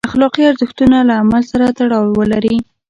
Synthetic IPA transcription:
axlɑqiaɾzəxt̪unalaːmalsaɾat̪aɽɑwwəlaɾi

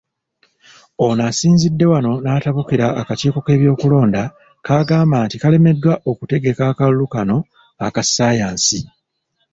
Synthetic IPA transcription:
onasiːnzidːe̞wano̞naːtaβukiɾaːkaciːko̞ke̞ːβjo̞ːkulo̞ːnda | kaɡaːmbaːntikale̞me̞dːwaʔo̞kute̞ɡe̞kaːkalulukano̞ | akasaːjaːnsi

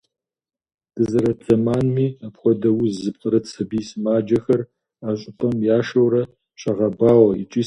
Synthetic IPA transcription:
d̥ɨzɨɾɐt͡sʰɐmaːnmiːapxʷɔdɐwuzɨpqʼɾɐt͡sʰɐbiːsmaːd͡ʒɐxɐr | aːɕʼɪpʰʼɐmjaːʃɐwɾɐ | ɕʼɐʁɐbaːwɐḭt͡ʃʼiː

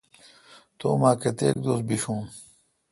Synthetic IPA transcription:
t̪o̰ːmaːket̪ḛːk̚d̪oːs̚biɕũː

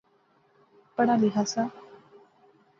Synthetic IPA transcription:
pəɽ̃aliɦasa

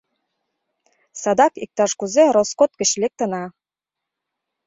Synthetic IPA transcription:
sɑd̪ɑkik̚t̪ɑʃkuzɘ̆ɾoskot̪̚kɘ̆ɕlɘ̆k̚t̪ɤ̆nɑ

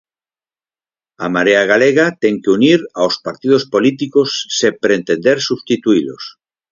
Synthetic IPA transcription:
amaɾeaɣ̞aleɣat̪ɛŋkeuniɾawspaɾt̪ið̞ospolit̪ikosːepɾent̪end̪eɾsust̪it̪uilo̰s

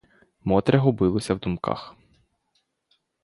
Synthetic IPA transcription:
mɔt̪ɾɛɦɔbɪlˠɔsʲɐwd̪umka̰x

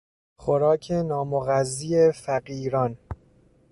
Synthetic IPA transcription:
xoɾɒːkʰenɒːmoɣæzːiːefæɢiːɾɒn

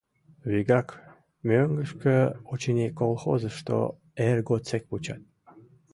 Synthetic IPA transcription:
βiɡak | mʲøŋɡəʃkəot͡ɕinʲikolˠxo̰zəʃt̪o̰ | erɡot͡sek̚put͡ɕa̰t̪̚

